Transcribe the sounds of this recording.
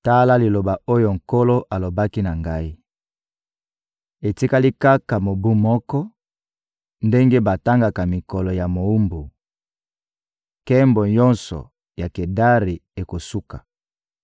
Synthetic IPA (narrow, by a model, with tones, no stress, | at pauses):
ta˦la˦li˨lo˨ba˨o˦jo˨ŋ̩˨ko˦lo˦ʔa˨lo˨ba˦ki˦na˨ŋɡa˦i˦ | e˨ti˦ka˦li˦ka˦ka˨mo˨bu˦mɔ˦kɔ˦ | nde˦ŋɡe˦ba˨ta˦ŋɡa˨ka˨mi˨kɔ˨lɔ˨ja˨mo˨u˦mbu˨ | kɛ˦mbɔ˨ɲɔ˦nsɔ̰˨ | ja˨ke˨da˦ʁi˨e˨ko˨su˦kḁ˨